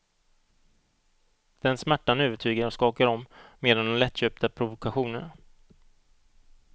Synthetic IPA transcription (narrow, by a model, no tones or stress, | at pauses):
d̪̥ɛnsmæʈːanøːvəʈʰyːɡəɾɔskɑːkaɾɔmːeːd̪and̪ɛnlɛt̪ːɕøːp̚t̪əpʰɾʊvʊkaɧuːnən